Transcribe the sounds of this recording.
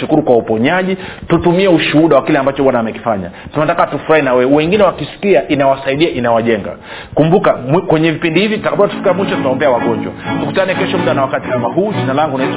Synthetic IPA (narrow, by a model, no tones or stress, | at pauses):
ʃukuɾukwaupɔɲaʄitutumiɛuʃuhuɗawakilɛambat͡ʃɔwanaːmɛki̥faɲa̰tunatakatufuɾahinawɛɛwɛŋɡinɛwakisi̥kiaʔinawasaiɗiaʔinawaʄɛŋɡa̰ | kumbukamkwɛɲɛvipindihivitakambuatu̥fi̥kamwiʃɔtutaaɔmbɛawaɠɔɲd͡ʒwa̰tukutanɛkɛʃɔm̩ɗanawakati̥kamaɦuːʄinalaŋɡunait